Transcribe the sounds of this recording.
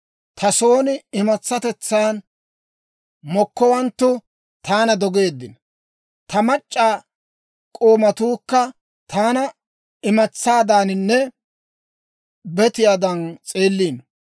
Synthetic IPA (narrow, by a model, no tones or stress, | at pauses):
t̪ʰɐso̞ːnɪɪmɐt͡sːɐt̪ɛt͡sːaːn | mɔkːɔwɐnt̪ːʊ | t̪aːnɐd̪ɔɡe̞ːd̪ːɪn | t̪ɐmɐt͡ʃʼːaː | kʼo̞ːmɐt̪uːkːɐ | t̪ʰaːnɐ | ɪmɐt͡sːaːd̪aːnɪnːɛ | bɛt̪ɪjaːd̪ɐnt͡sʼeːlːiːn